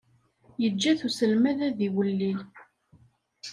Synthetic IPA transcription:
jəd͡ʒːæθusəlmæðæðiwəlːil

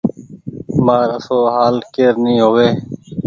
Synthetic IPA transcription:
maːɾəsoːɦaːlkeːɾnĩːɦoːʋeː

